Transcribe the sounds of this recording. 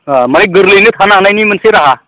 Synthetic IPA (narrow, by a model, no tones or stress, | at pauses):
aməneɡəɾlenet̪ʰanaɦnajnimənseɾaɦa